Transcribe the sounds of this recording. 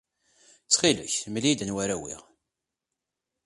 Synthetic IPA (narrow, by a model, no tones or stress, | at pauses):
t͡sːχilʊ̰çməlid̪ənwæɾæwḭʁ